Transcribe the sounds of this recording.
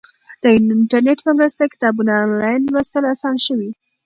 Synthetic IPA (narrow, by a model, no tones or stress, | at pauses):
d̪̥əɪɳʈaɾneʈpəmɾəst̪akɪ̥t̪ɑbunnlɑjnwɾast̪əlasɑnʃəwi